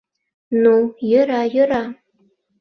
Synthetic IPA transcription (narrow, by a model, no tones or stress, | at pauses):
nujɤ̆ɾɑjɤ̆ɾɑ